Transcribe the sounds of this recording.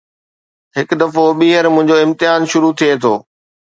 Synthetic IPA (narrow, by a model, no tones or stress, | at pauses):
ɦɪkd̪ɐfoɓiːɦəɾmʊ̃ɦɪ̃ɲd͡ʑoɪ̃mt̪ɪjaːnʃʊɾut̪ʰiet̪ʰoː